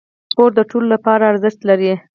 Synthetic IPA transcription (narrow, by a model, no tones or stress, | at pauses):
koɾd̪əʈololapɑɾaːɾzɪʃt̪laɾi